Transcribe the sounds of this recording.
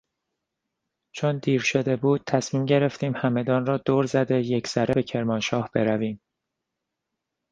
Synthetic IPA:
t͡ʃʰond̪iːɾʃo̞d̪e̞buːd̪̥̚t̪ʰæsmiːmɟe̞ɾe̞ft̪iːmhæme̞d̪ɒːnrɒːd̪oːɾzæd̪e̞jecʰsæɾebecʰe̞ɾmɒːnʃɒːhb̥e̞ɾæviːm

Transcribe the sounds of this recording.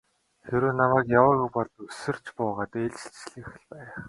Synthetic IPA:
xeɾoːnamæːkjawə̆ɣupɔɮusɵ̆r̥t͡ɕpʊːʁaːt̪eːɮt͡ɕɪ̥̆ɬt͡ɕɮɘ̆x̆ɮpæːχ

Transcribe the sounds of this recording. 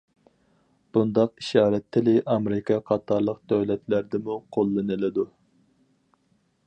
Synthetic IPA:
b̥und̪ɑqiʃɑːɾɛt̪ʰːɪlɪʔɑmɾɪkʰɑqʰɑt̪ʰɑɾlˠəq̚d̪̥øwlɛt̪læɾd̪ɪmuqʰolˠːɨnɨlɨd̪u

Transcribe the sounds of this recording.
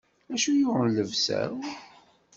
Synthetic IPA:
æʃujʊʁənləvsæ̰ɾ

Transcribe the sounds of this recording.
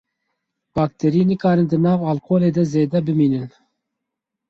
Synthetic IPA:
b̥ɑːk̚t̪ʰɛɾinɨkɑːɾɨnd̪ɨnɑːvɑlkoːleːd̪ɛzeːd̪ɛbɨmiːnɨn

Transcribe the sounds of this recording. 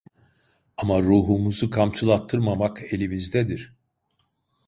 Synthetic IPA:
amaɾuːɦumuzukʰamt͡ʃʰɯlˠat̪ʰːɯɾmamake̞lʲimizd̪ɛd̪iɾ̥

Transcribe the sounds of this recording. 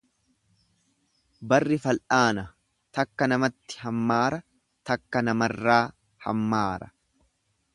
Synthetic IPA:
bɐrːɪfɐlʔaːnɐ | t̪ɐkːɐnɐmɐt̪ːɪ̥hɐmːaːɾɐ | t̪ɐkːɐnɐmɐrːaː | hɐ̰mːaːɾɐ

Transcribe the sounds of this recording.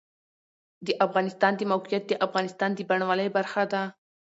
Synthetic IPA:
d̪əʔafɣɑnɪst̪ɑnd̪əmawqijat̪̚d̪əʔafɣɑnɪst̪ɑnd̪əbaɳwaləjbaɾxad̪a

